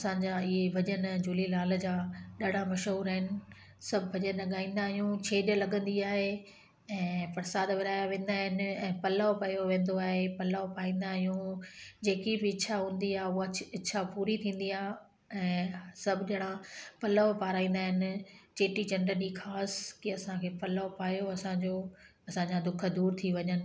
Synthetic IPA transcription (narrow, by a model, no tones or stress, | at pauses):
ɐsãːɲd͡ʑaɪɦebʱɐʄənd͡ʑʊːlilaːld͡ʑaːɗaɽ̤amɐʃɦuːɾaɦɪnɪ̆ | sɐbʱɪbʱɐʄənlɐɠaːĩːn̆d̪aːɦjũt͡ɕʰeːɗlɐɠə̃nd̪iaːɦe | ɛ̃ːfɐɾsaːd̪ʋɪɾaːjaʋẽːn̆d̪aːɦɪnɪ̆ɛ̃ːpɐlaʋpɐjoʋẽːn̆d̪oaːɦepɐlaʋpaːĩːnd̪aːɦɪjũd͡ʑeːkibɪɪːʃʰaɦũːnd̪iaːɦʊaɪːʃʰapuːɾit̪ʰĩːn̆d̪iaːɦ | ɛ̃ːsɐbʱɪɗɽ̃apɐləʋpaːɾaːĩːn̆d̪aːɦɪnɪ̆t͡ɕeːʈit͡ɕɐ̃ɳɖəɗiːxʰaːskiɐsãkʰeːpɐlʋopaːjoɐsãd͡ʑoː | ɐsãɲd͡ʑad̪ʊk̆ʰd̪uːɾt̪ʰiʋɐɲənɪ̆